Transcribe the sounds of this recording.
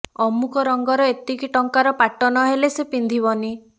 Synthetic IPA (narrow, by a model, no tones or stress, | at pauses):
ɔmukʰɔɾɔŋɡɔɾɔet̪ikiʈɔŋkaɾɔpaʈɔnɔɦelesepind̪ʱibɔni